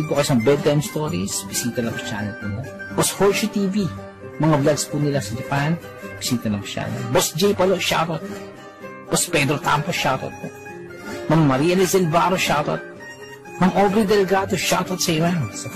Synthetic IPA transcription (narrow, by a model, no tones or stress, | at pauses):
ɡ̪pokɐsɐŋbɛd̪̚t̪ajmst̪oːɾisbɪsiːt̪ɐlɐŋpɐt͡ʃa̰ːnɐl̚nɪlo | boshoʃut̪iːvi | mɐŋablaɡspunɪlasɐd͡ʒɐpan | bɪsiːt̪ɐlɐŋpɐ̥t͡ʃa̰lɐ̰lbosd͡ʒɛjpɐloʃa̰t̪ot̪̚ | b̥ospɛd̪ɾot̪a̰mpoʃat̪ɐ̰t̪̚po̰ | mɐmːɐɾiːɐlɛsɛlbaːɾoʃat̪ɐ̰t̪̚ | mɐŋʔobɾɛd̪ɛlɛɡaːd̪oʃat̪ɐt̪̚sɐɪmansɐ